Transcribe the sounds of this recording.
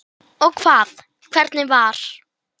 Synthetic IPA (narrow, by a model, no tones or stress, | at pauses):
ɔɣkʰvaːð | kʰv̥ɛɾt̪nɪvaɾ̥